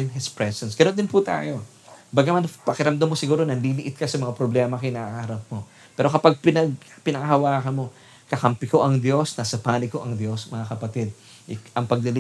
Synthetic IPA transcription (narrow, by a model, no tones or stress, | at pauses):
nɦɪspɹɛsɛnsɡ̥ɐno̞nd̪ɪnput̪a̰ːjo̞ | baɡ̚nɐmanpɐkɪɾɐmd̪amːosɪɡuːɾo̞nɐnliːlɪʔɪt̪̚kɐsɐmɐŋapɾoblɛːmɐkɪnɐʔahɐɾɐp̚mo̞ | pɛːɾo̞kɐpaɡ̚pɪnɐɡ̚pɪnɐŋahɐwaːkɐnmo̞ | kɐkɐmpɪko̞ʔɐŋd̪jo̞snaːsɐpaːnɪko̞ʔɐŋd̪jo̞smɐŋakɐpɐt̪ɪd̪̚ | ʔʔɐŋpɐɡ̚lɪlɪ